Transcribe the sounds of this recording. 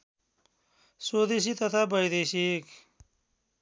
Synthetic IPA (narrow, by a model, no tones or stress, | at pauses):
soːd̪eɕ̬it̪ɐt̪ʰabɐjd̪eɕik